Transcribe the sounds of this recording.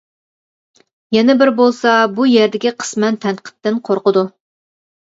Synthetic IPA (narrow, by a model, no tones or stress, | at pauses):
jɛnɛbɪɾbolˠsɑbujeɾd̪ɪɡʲiqʰə̥smɛnt̪ʰɛnqʰə̥t̪ːɪnqʰoɾqəd̪u